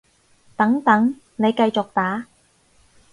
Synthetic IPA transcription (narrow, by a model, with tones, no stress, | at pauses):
t̪ɐ˨˥ŋt̪ɐ˨˥ŋ | ne˨˧jkɐ˧jt͡sʊ˨k̚t̪aː˨˥